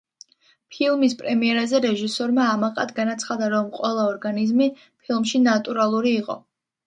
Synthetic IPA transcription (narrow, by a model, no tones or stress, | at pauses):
pʰilˠmispʼɾɛmiɛɾazɛɾɛʒisɔɾmaːmaqʼa̰d̪ɡanat̪sʰχad̪aɾɔmqʼwɛlˠaɔɾɡanizmi | pʰilˠmʃinat̪ʼuɾalˠuɾiːqʼɔ̰